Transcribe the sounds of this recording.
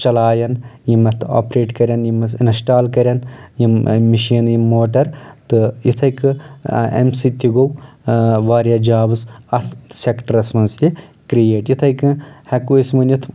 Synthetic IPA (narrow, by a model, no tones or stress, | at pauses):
t͡ʃɐlaːjɐnjimɐt̪ʰa̰ːpɾeːʈkɐɾʲɐnjimɐsinsʈaːlkɐɾʲɐnjimmːiʃiːnjimːoːʈɐɾt̪ɨjit̪ʰɐjkɨḛmsit̪iɡow | ʋaːɾʲjaːd͡ʒaːbɨsɐt̪ʰsʲekʈɐɾɐsmɐnzlʲikɾijeːʈjit̪ʰɐjkɨhɐkuismɐnjit̪ʰ